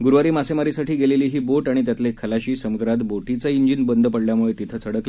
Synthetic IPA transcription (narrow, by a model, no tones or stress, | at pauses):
ɡuɾʋaɾiːmasemaɾisaʈiːɡeleliːɦiːboʈaɽ̃it̪jat̪lekʰəlaɕiːsəmuɡ̪ɾat̪boʈit͡səiɲd͡ʑinbənd̪ʱəpəɽljamuɭet̪it̪ʰət͡sʰəɽəkle